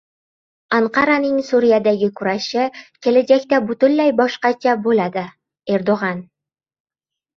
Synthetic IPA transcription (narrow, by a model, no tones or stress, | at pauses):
aɴqɑɾanɪŋsuɾʲijad̪æɡʲɪkʲʰʉɾaʃɪkʲʰelæd͡ʒakʲt̪abɵt̪ɵnlæjbɒʃqɑt͡ʃʰabolad̪ɪ | e̞ɾd̪oʁɑn